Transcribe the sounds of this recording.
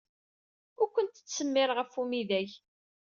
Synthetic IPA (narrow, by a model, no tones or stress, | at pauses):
ʊɾkʷːənt̪t͡sːsəmːɪɾʁəfumiðæʝ